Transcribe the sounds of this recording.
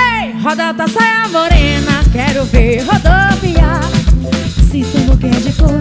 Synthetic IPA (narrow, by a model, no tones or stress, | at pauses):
ejɦɔd̪at̪asɔjamoɾenɐkɛɾʊveɾɦod̪ovia | sɪsũmokɛd͡ʒɪko